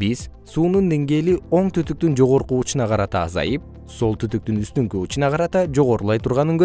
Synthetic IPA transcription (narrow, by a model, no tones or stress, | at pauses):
biz | suːnund̪e̞ŋɡe̞ːlio̞ɴt̪ʰyt̪yk̚t̪ynd͡ʒo̞ʁo̞ɾquut͡ʃunɑqʰɑɾɑt̪ɑːzɑ̰jɯp̚ | so̞lˠt̪ʰyt̪yk̚t̪ynyst̪yŋkyut͡ʃunɑqʰɑɾɑt̪ɑd͡ʒo̞ʁo̞ɾulˠɑjt̪ʰuɾʁɑnɯŋɡø